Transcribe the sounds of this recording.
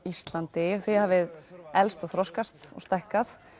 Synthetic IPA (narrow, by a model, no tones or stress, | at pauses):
ist̪lant̪ɪθehaːvɪðɛlst̪ɔɣθɾɔskast̪ɔ̰ɣst̪ahkaθ